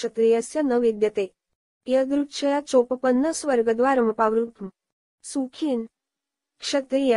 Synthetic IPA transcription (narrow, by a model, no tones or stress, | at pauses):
ʂət̪ɾijəsjənəʋid̪jət̪e | jəɡ̪ɾuʈʃəjat͡sopəpənːəsʋəɾɡəd̪ʋaɾəmpaʋɾut̪m | sukʰiːn | kʂɐt̪ɾijə